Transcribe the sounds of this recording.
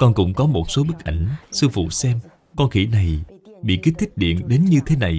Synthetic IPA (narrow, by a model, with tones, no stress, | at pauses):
kɔ˧nkʊ̰˧˥ŋ͡mkɔ˨˦mo˨˩t̚so˨˦ɓɨ˦˥k̚ʔa˧˩jŋ̟sɨ˧fṵ˧˨sɛ˧m | kɔ˧nxḭ˧˩na˨˩jɓḭ˧˨ki˦˥t̚t̪ʰi˦˥k̚ɗḭ˧˨ənɗe˨˦nɲɨ˧t̪ʰe˨˦na˨˩j